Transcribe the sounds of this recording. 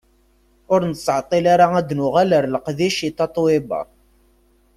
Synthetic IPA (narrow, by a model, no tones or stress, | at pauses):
ʊɾnəsʕt̪ˤːilaɾaæd̪nʊʁaləɾləqðiʃit̪ːɑt̪ˤːwɪbɑ̰